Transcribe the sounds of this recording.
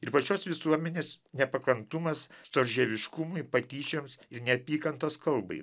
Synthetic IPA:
ɪɾpɐt͡ʃʲoːsʋʲɪsuɔmʲɛnʲeːsnʲɛpɐkɐnt̪ʊmɐst̪oːɾʲʒʲɛʋʲɪʃkʊmʊɪpɐt̪ʲiːt͡ʃʲomsɪɾnʲɛɐpʲiːkɐnt̪oːskɐlˠbɐ̰ɪ

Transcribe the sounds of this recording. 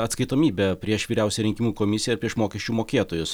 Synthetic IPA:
ɐt̪skɐɪt̪oːmʲiːbʲɛpʲɾʲiɛʃʋʲiːɾʲɛˑʊsʲɛɾʲɪŋʲkʲɪmuːkoːmʲɪsʲɪjɛɪɾpʲɾʲiɛʃmoːkʲɛʃʲt͡ʃʲuːmoːkʲeːt̪oːjʊs

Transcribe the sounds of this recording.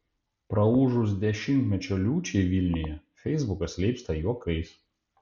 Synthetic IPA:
pɾɐuːʒʊs̬d̪ʲɛʃʲɪnʲt̪ʲmʲɛt͡ʃʲoːlʲuːt͡ʃʲɛɪʋʲilʲnʲɪjɛfʲɛɪzbʊkɐslʲɛɪpst̪ɐjuɔkɐɪs

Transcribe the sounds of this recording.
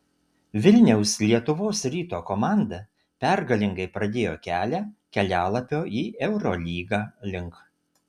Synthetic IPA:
ʋʲɪlʲnʲɛʊslʲiɛt̪ʊʋoːsɾʲiːt̪oːkɔmɑˑnd̪ɐ | pʲɛˑɾɡɐlʲɪŋɡɐɪpɾɐd̪ʲeːjoːkʲæːlʲækʲɛlʲæːlˠɐpʲoːʔiːʔɛʊɾɔlʲiːɡɑːlʲɪŋk

